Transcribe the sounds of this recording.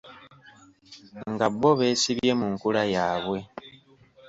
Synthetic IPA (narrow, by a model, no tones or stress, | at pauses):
ŋɡaβo̞βe̞ːsiβje̞muŋkulajaːβwe̞